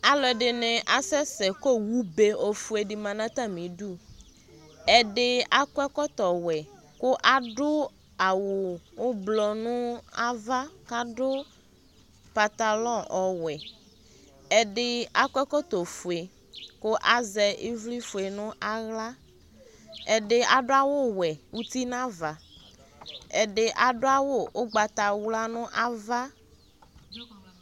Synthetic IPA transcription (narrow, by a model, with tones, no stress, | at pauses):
a˨lɔ˨ɖɪ˨nɛ̃˨ʔa˨sɛ˦sɛ˨ko˦wu˦be˨o˨fu˨˦e˨ɖɪ˨mã˨nã˦t̪a˦mĩ˨ɖu˦ | ɛ˨ɖɪ˦a˦kwɛ˦kɔ˦t̪ɔ˨wɛ˨ | kʊ˦ʔa˦ɖʊ˦ | a˨wo˨wo˦blɔ˨nũ˦a˦va˦ka˦ɖʊ˦ | pa˨t̪a˨lɔ̃˦ʔɔ˨wɛ˨ | ɛ˨ɖe˨a˦kɛ˦kɔ˦t̪o˨fu˨e˨ | ko˦ʔa˦zɛ˨ʔe˦vli˦fo˨e˨nũ˦ʔa˦ɣla˦ | ɛ˨ɖe˨ʔa˨ɖo˦a˦wo˦wɛ˨wu˦t̪i˦nã˦va˨ | ɛ̰˨ɖe˨ʔa˨ɖo˦a˦wo˦wo˦ɡ͡ba˨t̪a˨wu˦la˦nũ˦ʔa˦va˦